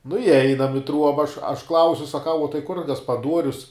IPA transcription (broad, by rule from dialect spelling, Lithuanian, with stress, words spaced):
nʊ ɪˈɛɪnɐm ɪ ˈtruɔbɐ ɐʃ ɐʃ ˈklˠɐʊsʲʊ sɐˈkɐʊ uɔ tɐɪ kʊr ɡɐspɐˈduɔrʲʊs